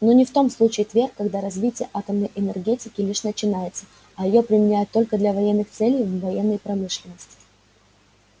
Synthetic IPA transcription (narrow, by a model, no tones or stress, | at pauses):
no̞nʲɪft̪o̞mslˠut͡ɕɪɪt̪vʲerkːɐɡd̪aɾɐzʲvʲitʲɪjəʔat̪əmnəjʔɪnərɡʲetʲɪkʲɪlʲiʂnət͡ɕɪnajɪt̪sə̥ | ɐjɪjo̞pɾʲɪmʲɪnʲæjʊt̪ːolʲkəd̪lʲɐvɐjenːɨxt̪sɛlʲɪjvvɐjenːəjpɾɐmɨʂlʲɪnːəsʲtʲɪ̥tʲɪ̥